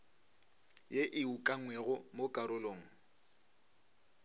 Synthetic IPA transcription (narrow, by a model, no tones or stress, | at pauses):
jeʔɪukʼaŋwɛɣʊmokʼaɾʊloːŋ̩